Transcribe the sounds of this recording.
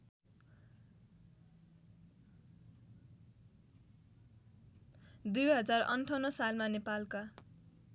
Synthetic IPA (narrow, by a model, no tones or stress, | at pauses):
d̪ujɦʌd͡zarʌ̰nʈʰʌnʌsalmanepalka